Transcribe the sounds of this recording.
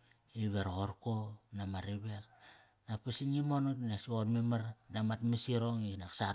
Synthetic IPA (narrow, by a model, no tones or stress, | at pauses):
iβeɾoɾkonamaɾiβek | napisinimonutnasuonmemaɾnamatmisiɾoŋinaksaɾ